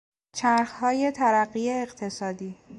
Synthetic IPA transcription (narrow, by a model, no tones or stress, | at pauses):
t͡ʃʰæɾxhɒːje̞t̪ʰæɾæɢiːeːɢt̪ʰe̞sɒːd̪iː